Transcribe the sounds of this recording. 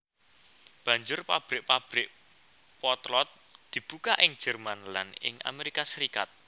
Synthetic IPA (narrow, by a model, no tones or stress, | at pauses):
b̥ä̤ɲd͡ʒʊrpab̥ɾɪʔ̚pab̥ɾɪk | pɔt̪lɔt̪̚ | d̪̥i̤b̥ukaʔɪŋ̥d͡ʒ̥ə̤rmanla̰nɪ̰ŋʔa̰meɾikasəɾikat̪̚